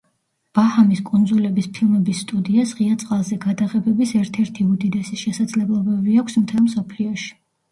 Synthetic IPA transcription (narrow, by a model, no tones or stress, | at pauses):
b̥ahamiskʼund̪zulɛbispʰilˠmɛbisːt̪ʼud̪iasʁiat̪sʼqʼalˠzɛɡad̪aʁɛbɛbisɛɾt̪ʰɛɾt̪ʰiud̪id̪ɛsiʃɛsad̪zlɛblˠɔbɛbiakʷʰsmt̪ʰɛlˠmsɔpʰliɔʃi̥